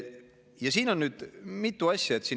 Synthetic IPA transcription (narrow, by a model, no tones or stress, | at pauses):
jɑsiːno̞nnyːd̪̥mit̪ːˑuɑsʲjɑe̞t̪siːn